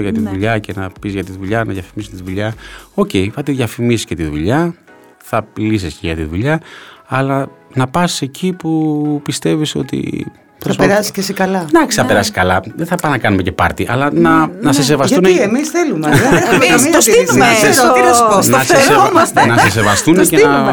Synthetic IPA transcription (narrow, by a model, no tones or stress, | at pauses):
oʝɐt̪iðuʎɐce̞nɐpizʝɐt̪iðuʎɐnɐ̰ðjɐfimist̪iðuʎɐo̞ce̞iθɐt̪iðʝjɐfimisi̥sce̞t̪iðṵʎɐ | θɐilisiscḛʝɐt̪iðuʎɐːlɐnɐpɐse̞cʰipupist̪e̞viso̞̰t̪ḭ | pɾoɐspeɾɐsi̥scesikɐlɐd̪ɐksi̥θɐpe̞ɾɐsi̥skɐlɐðeθɐpɐnɐkɐnume̞ce̞pɐɾt̪iʔɐ̰lɐnɐnɐses̬e̞vɐst̪uneemisθelumeemiossnɐsɾeosnɐseonɐses̬evɐst̪unecenɐ